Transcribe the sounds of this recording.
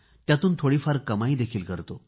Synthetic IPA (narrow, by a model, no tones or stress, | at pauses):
t̪jat̪uːnt̪ʰoɽiːfaɾkːəmaiːd̪ekʰiːlkəɾt̪o̰